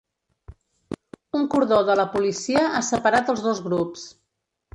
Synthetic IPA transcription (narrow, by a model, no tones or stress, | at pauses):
uŋkuɾðoðələpulisiəʔasəpəɾat̪əlˠzðozɣɾups